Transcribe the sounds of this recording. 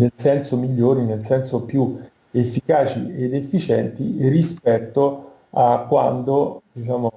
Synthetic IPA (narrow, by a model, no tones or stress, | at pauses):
nelsɛnsomiʎːoːɾinelsɛnsopju | efːikaːt͡ʃied̪efːit͡ʃɛnt̪irispɛt̪ːo | akːwa̰nd̪od̪it͡ʃaːmo